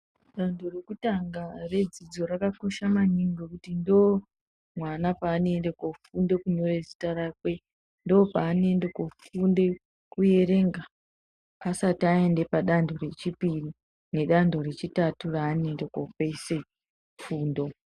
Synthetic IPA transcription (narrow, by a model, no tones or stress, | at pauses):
ɗandorekutaŋɡare̞d͡zid͡zo̞rakako̞ʃamaɲiŋɡokutindo | mwanapaːne̞nde̞kofunde̞kuɲo̞re̞zitarakwe̞ | ndo̞ːpaːne̞ndekofunde̞ | kuje̞ɾe̞ŋɡaː | satiae̞nde̞paɗandʱo̞re̞t͡ʃipiri | ne̞ɗandʱo̞ɾe̞t͡ʃitaturaːne̞ndeko̰kese | fuːndo̞